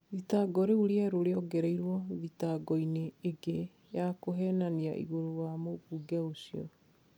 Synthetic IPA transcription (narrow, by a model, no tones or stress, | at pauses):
ðitaɡɔɾeuɾeɛɾoɾeɔɡɛɾɛiɾwɔðitaɡɔineːɡe | jakoɦɛnania̰ʔḭɣoɾowamopuɡaosiɔ̰